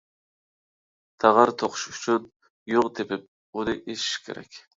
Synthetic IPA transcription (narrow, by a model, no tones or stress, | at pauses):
t̪ʰɑʁɑɾt̪ʰoqʰʊ̥ʃyt͡ʃʰyn | joʁd̪epɪp̚ | od̪ɨʔeʃi̥ʃkʲʰḛɾɛ̰kʲ